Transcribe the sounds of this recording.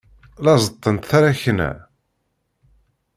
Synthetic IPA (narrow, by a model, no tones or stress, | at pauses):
lɑzˤət̪ˤːənt̪θaɾaçnæ̰